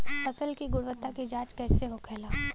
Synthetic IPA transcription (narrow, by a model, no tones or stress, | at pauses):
fɐsəlkiɡʊɽʋət̪ːaked͡ʒaːt͡ʃkɛːseɦokʰɛːlaː